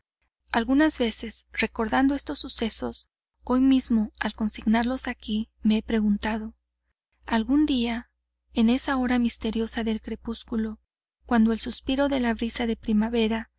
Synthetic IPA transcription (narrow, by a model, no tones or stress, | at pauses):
alɣunazβe̞se̞sre̞ko̞ɾðand̪o̞e̞st̪o̞sːuse̞so̞s | o̞jmizmo̞alko̞nsiɣnaɾlo̞sakime̞epɾeɣunt̪að̞o̞ | alɣund̪ia | e̞ne̞sao̞ɾamist̪e̞ɾjo̞saðe̞lkɾe̞puskulo̞ | kwand̪o̞e̞lsuspiɾo̞ðe̞laβɾisaðe̞pɾimaβe̞ɾa